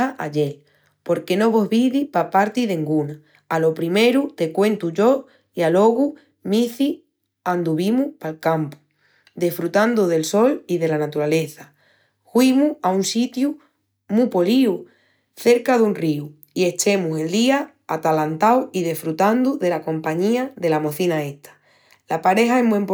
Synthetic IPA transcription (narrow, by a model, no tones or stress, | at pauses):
aʔaʎe̞l | po̞ɾke̞no̞βo̞ɦβiðipapaɾt̪iðẽŋɡuna | alo̞pɾime̞ɾut̪e̞kwe̞nt̪uʝo̞ | ialo̞ɣu | miθi | ãnd̪uβ̞imuhpalkampu̥ | d̪esfɾut̪and̪uðe̞lso̞liðe̞lanat̪uɾale̞θa | hwimuaunsit̪ju | mũpo̞liu | θe̞ɾkaðunriu | ie̞t͡ʃe̞muse̞ld̪iaː | t̪alant̪awiðe̞sfɾut̪and̪uðe̞lakõ̞mpaɲĩaðe̞lamo̞θinaet̪ʰḁ | lapaɾe̞ɦaeɦmwẽmp